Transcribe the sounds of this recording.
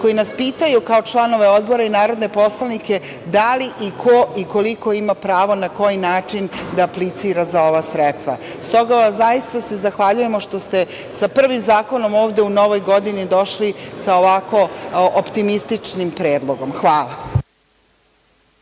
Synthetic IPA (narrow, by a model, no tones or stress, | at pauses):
ko̞inaspiːt̪ajukao̞t͡ʃlˠano̞ʋe̞od̪bo̞ɾainaːɾo̞d̪ne̞po̞slˠanike̞ | d̪aliʔikʰoiko̞liko̞imapɾaːʋo̞nako̞jinaːt͡ʂind̪aːplit̪siːɾazao̞ʋasɾet̪st̪ʋa̰ | st̪o̞ɡaʋaszajist̪ase̞zaxʋaʎuje̞moʃt̪o̞st̪e̞ | sapr̩ʋimzaːko̞no̞moːʋd̪e̞uno̞ʋo̞jɡo̞d̪inid̪o̞ʃlisaoʋako̞ʔopt̪imist̪it͡ʂnimpɾeːd̪lˠo̞ɡo̞mxʋaːla